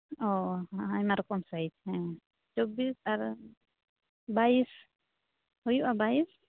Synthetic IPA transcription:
ɔajmaɾkɔmsait͡ʃʰhɛ̃ | t͡ʃɔbisaɾ | bais | hujuʔabais

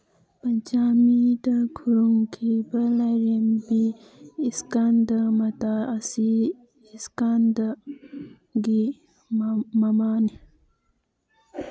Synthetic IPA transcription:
pɐɲt͡ʃamid̪ɐkʰuɾuŋkʰibɐlajɾembiː | skand̪əmɐt̪aɐsiː | skand̪ə | ɡi | mɐmani

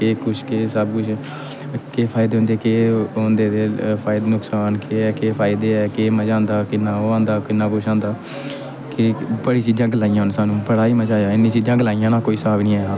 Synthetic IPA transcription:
keːkʊt͡ʃʰkeːsəbkʊt͡ʃʰ | keːpʰaːɪd̪eːɦʊ̃nd̪eːkeːɦõːnd̪eːd̪eːpʰaːɪd̪ːnʊksaːnkeːɛːkeːpʰaːɪd̪eːɛːkeːməd͡ʒãːnd̪aːkɪnːãːoːãːnd̪aːkɪnːãːbʊʃʰãːnd̪aː | kɪbəɽiːt͡ʃiːd͡ʒãːɡlaːijãːnsaːnũːbəɽaːiːməd͡ʒaːjãːɪnːiːt͡ʃiːd͡ʒãːɡlaːijãːnãːkoːiːsaːbnĩːaːjaː

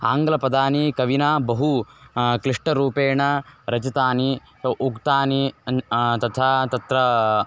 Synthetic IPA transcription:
aːŋɡɐlɐpɐd̪aːnikɐʋinaːbɐɦukliʂʈɐɾuːpeːɳɐɾɐd͡ʒɐt̪aːni | ɐʔukt̪aːni | t̪ɐt̪ʰaːt̪ɐt̪ɾɐ

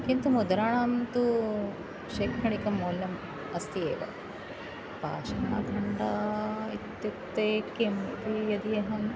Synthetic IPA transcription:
kint̪umud̪ɐɾaːɳaːnt̪u | ʃeːkʰɾɐɳikɐmoːljɐm | ɐst̪iḛːʋɐ̰ | pa̰ːʃɐna̰ːɡʱɐɳɖɐit̪ːjut̪ːeːkemɐ̰t̪ijɐd̪ijɐɦɐn

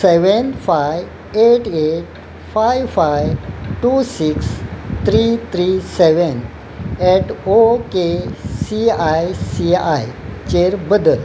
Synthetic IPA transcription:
sɛʋənfaj | eʈeʈ̚ | fajfajʈusikst̪ʰɾit̪ʰɾiseʋən | ɛʈʰokesiajsiajt͡ɕeɾbəd̪əl

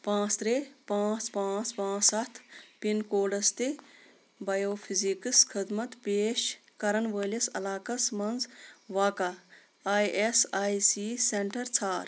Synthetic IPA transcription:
pãːt͡st̪ɾepãːt͡spãːt͡spãːt͡sɐt̪ʰpinkoːɖɐst̪i | bɐjoːpʰizikɨskʰid̪mɐt̪peːʃkɐɾɐnʋəːlɐsɐ̰laːkɐsmɐnd͡zʋaːkaː | jesaːjsiseɳʈɐɾt͡sʰaːɾ

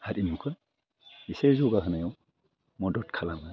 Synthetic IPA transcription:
hatimkʰɯ | isezuɡaɦɯnajɔw | mɔdɔtkʰalama

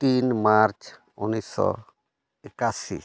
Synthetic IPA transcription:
t̪inmaɾt͡ʃ | unisɔ̰ | ɛkasḭ

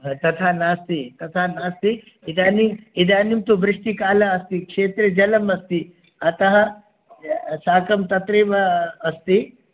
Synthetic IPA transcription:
t̪ɐt̪ʰaːnaːst̪it̪ɐt̪ʰaːnaːst̪i | id̪aːniid̪aːnimt̪obɾɪʂʈikaːlɐɐst̪ikʂeːt̪ɾɐd͡ʒɐlɐmɐst̪i | ɐt̪ɐɦɐ̆ | saːkɐmt̪ɐt̪ɾeːʋɐːst̪i

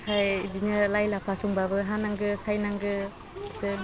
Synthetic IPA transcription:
hʰajdinɯlajlapʰasuŋbabɯɦanaŋɡɯsajnaŋɡɯ | sɯ

